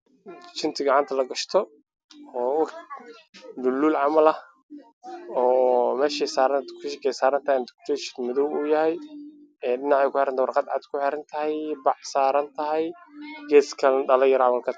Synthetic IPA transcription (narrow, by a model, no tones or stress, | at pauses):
t͡ʃɪnt̪ʰɪɡɑʕɑnt̪ʰɐlɐɡɐʃt̪ʰɔ | ɔːwɑħ | d̪ʊlːuːlʕɑmɐlɐ | ɔːmɛːʃɛsaːɾɐnkʰʊʃɛkʰɛjsaːɾɐnt̪ʰɐnd̪ɪkt̪ʰɛːʃɪnmʊðɔwuːjɐhɛjɛɖɪnɑʕɛjkʰʊħɛɾɐnt̪wʊrqɑd̪ʕɑ̰d̪kʰʊħɛɾɐnt̪ʰɐɦɛjbɑħsaːɾɐnt̪ʰɐɦɛjɡɛːskʰɐlɖɐlɐjɾawɐlkʰɐt̪